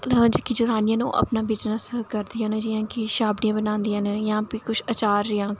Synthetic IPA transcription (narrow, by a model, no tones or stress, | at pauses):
d͡ʒkid͡ʒʊɾaːnɪjãːnṵ̃ːʔə̰pnaːʋɪd͡ʒnəskəɾd̪ijãːnd͡ʒɪːãːkiʃaːbɽijãːbənãːnd̪ijãnjãːpiːkʊt͡ʃʰət͡ʃaːɾːɪãː